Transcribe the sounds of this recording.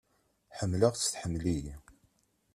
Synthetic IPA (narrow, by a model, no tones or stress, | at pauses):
ħəmːləʁt͡sːə̥θħəmːlij